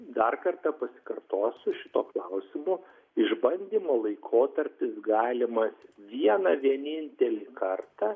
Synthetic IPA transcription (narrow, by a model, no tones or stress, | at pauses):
d̪ɐrkɐrt̪ɐpɐsʲɪ̥kɐrt̪oːsʃʲɪt̪oːklˠɐʊsʲɪmʊ | ɪʒbɐnʲd̪ʲiːmoːlˠɐɪkʰoːt̪ɐɾʲpʲɪsɡɑːlʲɪmɐsʋʲiɛnɐʋʲiɛnʲɪnʲt̪ʲɛlʲikɐrt̪ɑ